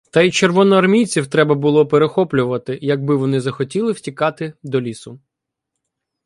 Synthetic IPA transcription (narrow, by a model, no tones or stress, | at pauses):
t̪ɐit͡ʃerʋɔnɔɐrmʲijt͡sʲiwt̪ɾɛbɐbʊlˠɔpeɾexɔplʲʊʋɐt̪ɪjɐɡ̚bɪʋɔnɪzɐxɔtʲilˠɪwtʲikɑt̪ɪd̪ɔlʲisʊ